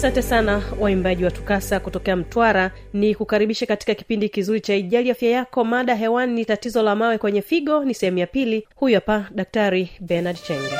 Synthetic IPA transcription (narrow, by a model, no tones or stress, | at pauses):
asantɛsanawaimbaʄiwatu̥kasakutɔkɛam̩twaɾa | nikukaɾiɓiʃɛkati̥kaki̥pindikizuɾit͡ʃaiʄaliafjajakɔmaɗaɦɛwanːitatizɔlamawɛkwɛɲɛfiɠɔnisɛhɛmujapilihujɔpaɗak̚taɾibɛnaɗt͡ʃɛŋɡa